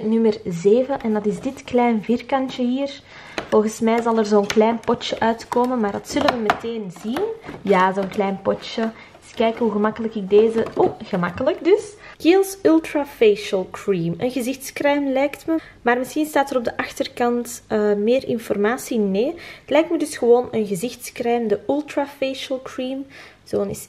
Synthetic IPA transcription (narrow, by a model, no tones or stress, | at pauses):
nʏmərzeːvənʔɛndɑtɪzdɪtklɛːjnvɪrkɑntəɦiːr | v̥ɔlˠɣənsmɛːzɑlˠərzoːnklɛːnpɔt͡ʃəʔœːtkoːmənmaːrdɑtsɵlənʋəməteːnzinjaːzoːnklɛjnpɔt͡ʃə | skɛjkəɦuɣəmɑkələkɪɡ̚deːzəoɣəmɑkələkdʏskeːlˠsʏlˠtrafeːʃəlˠkɹiːmənɣəzɪxtskrɛmlɛjktmə | maːrməsxinstaːtəɾɔb̚dəʔɑxtərkɑntːmeːrʔɪnfɔrmaːsineːətlɛjk̚tmədʏsxəʋoːnənɣəzɪxtskrɛmdəʔʏlˠtrafeːʃəlˠkɹiːm | z̥oːənɪs